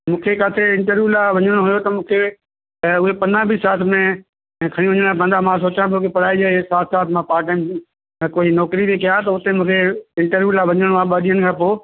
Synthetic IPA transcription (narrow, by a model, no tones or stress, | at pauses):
mũːkʰekaːsʰeɪ̃ɳʈəɾʋuːlaːʋɐɲəɽ̃oɦʊjot̪ɐmũːkʰe | ʊɦepɐnãbʱisaːt̪ʰmẽ | kʰɐɽ̃iʋɐɲəɽ̃apə̃nd̪amãs̬oːt͡ɕãb̪okepɐɽ̤aːid͡ʒaːesaːt̪ʰsaːt̪ʰmãpaːʈə̃ | koːinɔːkɾibikɐjãt̪ɐʊt̪emũːkʰeɪ̃ɳʈəɾʋulaːʋɐɲəɽɽ̃oaːɓaːɗ̪ijənɪkʰãːpoː